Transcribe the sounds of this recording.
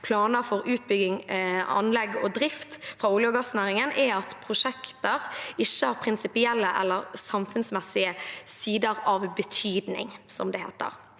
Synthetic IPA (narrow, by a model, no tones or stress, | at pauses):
pʰlɑːnəɾfɔɾʉːt̪̚bʏɡɪŋɑ̰nlɛɡɔd̪ɾɪft̪fɾɑːuːljʊɡɑsnæːɾɪŋənʔɛɑt̪pʰʁʊʂɛkt̪əɾɪçːəhɑːʁpʰɾɪnsɪpɪɛlːəʔɛ̰lːəʁsɑmfʉnsmɛsɪəsiːd̪əɾɑʋbət̪ʰyːd̪nɪ̰ŋsɔmd̪ɛhḛːt̪ə̰ɾ